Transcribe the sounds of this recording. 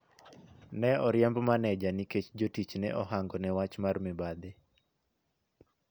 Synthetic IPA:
nɛɔɾɪjɛmbmanɛd͡ʒaniket͡ʃd͡ʒotit͡ʃnɛʔɔɦaŋɡɔnɛwat͡ʃmarmɪbad̪ɪ

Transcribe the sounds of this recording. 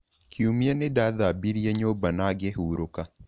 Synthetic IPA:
kʰiumianedaðabiɾjaɲobanaɡehuɾoka

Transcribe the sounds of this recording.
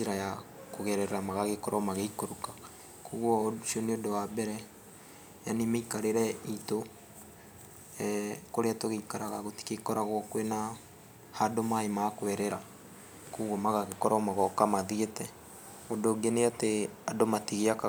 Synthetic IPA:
eɾajakoɣɛɾɛɾɛɾamaɣaɣekɔɾʔɔmaɣeikoɾukḁ | kuɣwɔʃiɔneodowabɛɾɛ | janemeikaɾeɾɛito | koɾeatoɣeikaɾaɣaɣoti̥kekɔɾaɣwɔkwena | hadomaemakwɛɾɛɾa | kuɣwɔmaɣaɣekɔɾɔmaɣɔkamaðietɛ | odoɡeneateadomatiɣeaka

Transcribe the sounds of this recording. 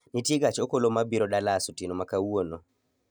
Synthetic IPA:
nitiɡat͡ʃɔkɔlɔmabiɾɔɗalasutinɔmakawuwonɔ

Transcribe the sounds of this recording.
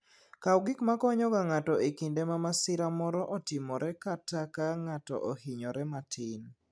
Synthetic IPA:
kawɡikmakɔɲɔɡaŋatɔekindemamasɪɾamɔɾɔʔɔtɪmɔɾɛkatakaŋatɔ̰ʔohiɲɔɾɛmatʰɪn

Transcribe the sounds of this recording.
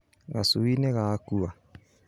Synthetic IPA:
ɣasuineɣakua

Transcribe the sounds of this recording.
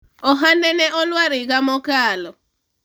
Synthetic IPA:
ɔɦanɛnɛʔɔlwaɾɪɡamɔkaːlɔ

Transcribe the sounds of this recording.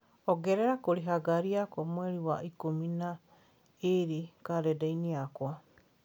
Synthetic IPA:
oɡeɾeɾakoɾiɦaɡaɾiakomoeɾiwa̰ʔikomina | iɾikadedejniakoa

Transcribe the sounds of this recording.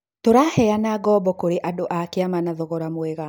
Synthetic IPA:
toɾahɛanaɡɔbɔkoɾeʔadoʔakeamanaðɔɣɔɾamwɛɣa

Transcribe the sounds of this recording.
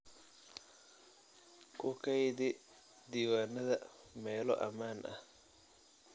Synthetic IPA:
kʰʊkʰɐjðɪ | d̪iːwaːnɐðɐmɛːlɔʔɐ̰maːnʔɐ̰

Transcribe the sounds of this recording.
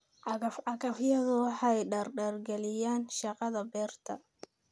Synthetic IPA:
ʕɑɣɐfʕɑɣɐfjɐðʊwɑħɑɛjɖɐrɖɐrɡɛlɪjaːnʃɑqɑðɐbɛːrt̪ʰɐ

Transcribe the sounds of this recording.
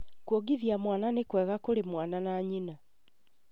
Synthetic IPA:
kwoɡiðjamwaːnanekwɛːɣakoɾemwaːnanaːɲina

